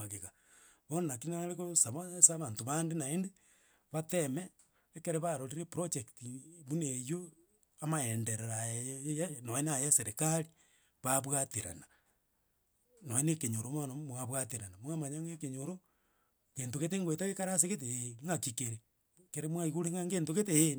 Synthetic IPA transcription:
aɣeɣa | βonakinaalekosaβasaβaːntoβandenaende | βatemeː | keɾeβaɾoɾiɾepɾot͡ʃektiβunejo | amaendeɾeɾajanoenajaseɾekaɾi | βaβwatiɾa̰na | noenekeɲoɾomonomwaβwatiɾanamwamaɲaŋekeɲoɾo | ŋɡeːntoɣeteŋɡweteɣekaɾaseɣet̬eŋɡakikeɾe | keɾemwaiɣuɾeŋɡaŋɡeːntoɣeten

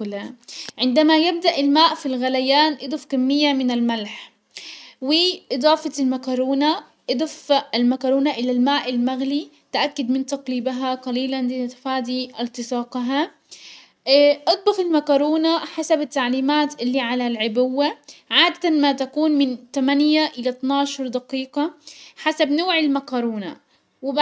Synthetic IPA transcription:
laʕɪnd̪amajɪb̚d̪aʔɪlmaːʔfilɣalajaːnʔɨd̪ˤʊfkamːɪjːamɪnalmalħ | wɪʔɨd̪ˤɑːfɑɪlmakɑɾˤuːna | ʔɨd̪ˤʊfalmakɑɾˤuːnaʔɪlalmaːʔɪlmaɣli | t̪ʔakːad̪mɪnt̪ɑqliːbaɦaqɑliːland̪ɪnt̪ḁfaːd̪iʔɪlt̪ɨsˤɑːqɦa | ʔɑt̪̚ˤbɑfɪlmakɑːɾˤuːnaħasabɪt̪ːaʕliːmaːt̪ʔɪlːiʕalalʕɪbʊwːaʕaːd̪at̪anmat̪akuːnmɪnt̪amanjaʔɪlat̪nɑːʃɑɾˤd̪aqiːqɑħasabnoːʕɪlmakɑɾuːna̰ | wɪb

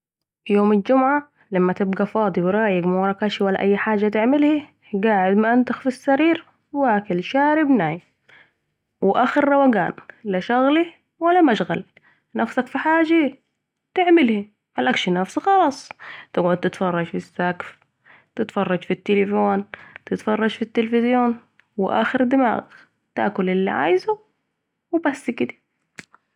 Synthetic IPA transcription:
joːmald͡ʒʊmʕa | lamːat̪ɪbɡafɑːd̪ˤiwɾˤɑːjɪɡmawɑɾˤɑkaːʃiwalːaʔajːħaːd͡ʒat̪ɪʕmɪlhi | ɡaːʕɪd̪maʔant̪axfisːaɾiːɾ | waːkɪlʃaːɾɪbnaːj | wɪʔaxɪɾːɑwaɡa̰ːnlaʃaɣli | walːamaʃɣa̰l | nafsakfiħaːd͡ʒa | t̪ɪʕmɪlhi | halʔakʃinafsixɑlɑːsˤt̪ɪɡʕʊd̪̚t̪ɪt̪fɑrˤːɑd͡ʒfisːakf | t̪ɪt̪fɑrˤːɑd͡ʒfit̪ːɪlɪfoːnt̪ɪt̪fɑrˤːɑd͡ʒfit̪ːɪlfɪzjoːn | wʔa̰ːxɪɾd̪ɪma̰ːɣ | t̪a̰ːkʊlʔɪlːḭʕa̰ːjzu | wbasːkɪd̪ḁ

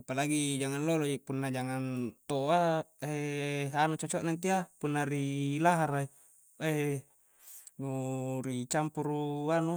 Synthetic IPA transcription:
apalaɡid͡ʒaŋanlolod͡ʒipunːad͡ʒaŋant̪oaeanut͡ʃɔt͡ʃoʔnant̪iapunːaɾilaɦaɾai | e | nuɾit͡ʃampuɾuanu

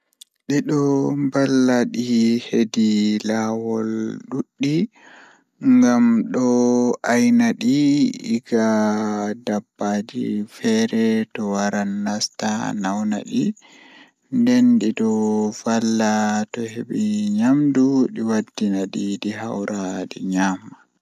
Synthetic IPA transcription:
ɗiɗɔmbalːaɗihedilawɔlɗuɗːi | ŋɡamɗɔajnaɗiiɡa | dabːad͡ʒḭfɛɾɛtɔwaɾanːasta̰nawna̰ɗi | ndɛnɗiɗɔfalːatɔheɓiɲamduɗiwadːinaɗiɗiɦawɾʔadɛ̰ɲamːa

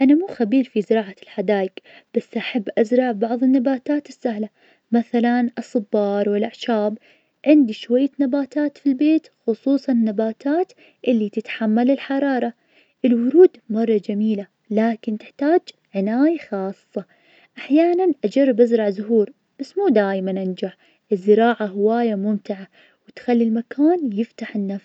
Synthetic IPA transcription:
ʔanamuːxabiːɾfizɪɾɑːʕalħad̪aːjɪkb̥asːʔaħabːʔazɾˤɑʕbɑʕðˤɨnːabaːt̪aːt̪ɪsːahla | maθalanʔɑsˤɨbːɑːɾˤwɪlʔaʕʃaːb | ʕɪnd̪iʃwajːanabaːt̪aːt̪filbeːt̪xʊsˤuːsˤɑnɪnːabaːt̪aːt̪ | ʔɪlːit̪ɪt̪ħamːalɪlħɑɾˤɑːɾˤɑ | ʔɪlwʊɾuːd̪mɑrˤːɑd͡ʒamiːla | laːkɪnt̪ɪħt̪aːd͡ʒ | ʕɪnaːjaxɑːsˤːɑ | ʔaħjaːnanʔad͡ʒɑrˤːɪbʔazɾˤɑʕzʊɦuːɾ | ʔasmuːd̪aːjmanʔand͡ʒaħ | ʔɪzːɪɾaːʕaɦɪwaːjamʊmt̪ɪʕa | wɪt̪xalːilmakʰaːnjɪft̪aħɪnːafs

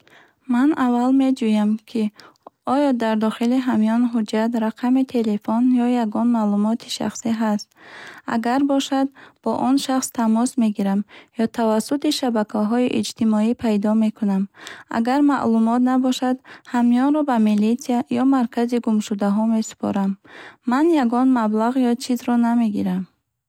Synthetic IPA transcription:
manavalme̞d͡ʒujamkʰiɔjɔd̪aɾd̪ɔχiliɦamiɔnɦud͡ʒat̪ɾaqʰamit̪ʰe̞lefɔnjɔjaɡɔnmalumɔt̪ʰi̥ʃa̰χsiɦast̪a̰ɡaɾbɔʃad̪̚b̥ɔʔɔnʃaχst̪ʰamɔsme̞ɡiɾamjɔt̪ʰavasːut̪iʃabakʰaɦɔiʔid͡ʒt̪imɔipʰajd̪ɔme̞kʰunama̰ɡaɾma̰ʔlumɔt̪nabɔʃad̪hamijɔnɾɔbamilit̪sijajɔmaɾkʰaziɡumʃud̪aɦɔme̞su̥pʰɔ̰ɾamːanjaɡɔnmablaʁjɔt͡ʃʰizɾɔname̞ɡiɾam

